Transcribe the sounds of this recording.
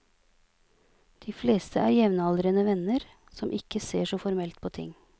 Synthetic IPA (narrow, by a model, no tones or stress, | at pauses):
d̪̥iːfleːst̪ʰəʔæːɾjɛʋnɑld̪ɾənəʋɛnəɾ | sɔmʔɪkəseːʂɔfɔɾmɛlt̪̚pʰoːt̪ʰɪ̰ŋ